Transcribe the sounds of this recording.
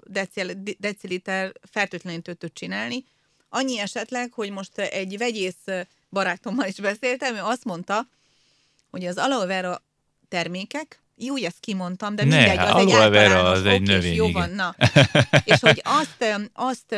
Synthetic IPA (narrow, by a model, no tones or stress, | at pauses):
d̪ɛld̪ɛt̪silit̪ɛrfɛlt̪øːt̪lɛnint̪øt̪ːøt̪̚t͡ʃinaːlni | ɒɲːiɛʃɛt̪lɛkho̞ɟmo̞ʃt̪ɛɟvɛɟeːs | bɒɾaːt̪o̞mːɒliʒbɛseːlt̪ɛmøɒst̪mo̞nt̪ɒ | ho̞ɟɒzɒlovɛɾɒ | t̪ɛrmeːkɛk | juːjɛst̪̚kimo̞nt̪ɒmd̪ɛniiɛnd̪ɛɟɒɒloɛvɛɾzɛɟnøveːjoːɡvɒnːɒ | eːʃhoɟɒst̪ɒst̪